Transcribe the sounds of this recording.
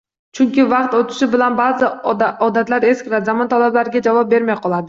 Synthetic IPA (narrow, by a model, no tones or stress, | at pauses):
t͡ʃʰʊŋkʲɪvɑqt̪ot̪ʰɪ̥ʃɪbɪlanbazɪɒd̪at̪laɾe̞skʲɾazamɒnt̪ʰalablaɾɪɡʲad͡ʒavɑp̚be̞ɾmajqʰɒlˠad̪ɪ